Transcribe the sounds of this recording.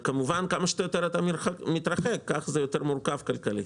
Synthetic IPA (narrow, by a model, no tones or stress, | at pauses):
kamuvankamaʃet̪ajot̪eɾat̪amiɾχakmit̪ɾaχekːaχzɛjot̪eɾmurkavkalkali